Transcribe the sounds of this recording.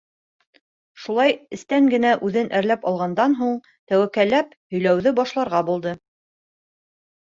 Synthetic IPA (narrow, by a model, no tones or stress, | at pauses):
ʃulˠɑjɘ̆st̪æŋɡɘ̆næʔʉðɘnʔæɾlæpɑlˠʁɑnd̪ɑnɦuɴ | t̪æwækælːæphɵ̆jlæwðɘbɑʃlˠɑɾʁɑbulˠd̪ɤ